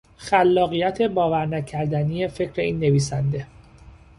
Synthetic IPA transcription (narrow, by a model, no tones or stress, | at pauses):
xælːɒːɣijæt̪ʰe̞bɒːvæɾnæcʰæɾd̪ænije̞fe̞cʰɾe̞iːnːe̞viːs̬ænd̪e̞